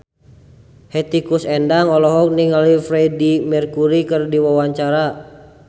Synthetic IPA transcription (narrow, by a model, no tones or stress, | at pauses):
hɛt̪ikusɛndaŋɔlɔɦɔk̚niŋalifɾɛdimɛrkuɾikɨrdiwawaɲt͡ʃaɾa